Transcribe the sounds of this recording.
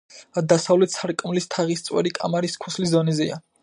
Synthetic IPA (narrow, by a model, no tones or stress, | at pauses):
d̪asavlɛt̪sʰaɾkʼmlist̪ʰaʁist̪sʼwɛ̰ɾikʼa̰maɾiskʰu̥sliszɔnɛzɛa̰